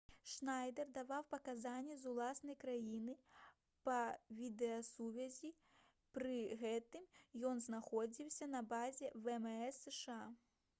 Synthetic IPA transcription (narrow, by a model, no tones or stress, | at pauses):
ʂnajd̪ɛrd̪avawpɐkazanʲːɛzulˠasn̪ɐjkɾajinɨ | pɐvʲid̪ɛɐsuvʲɐzʲi | pɾɨɣɛt̪ɨmjɔnznaxɔd͡zʲiwsʲɐnɐbazʲɛvɛmɛɛsːɛʂɨa